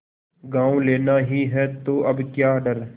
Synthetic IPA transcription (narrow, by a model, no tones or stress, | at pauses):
ɡãːõleːnaːɦiːɦɛːt̪oːʔəbkjaːɖəɾ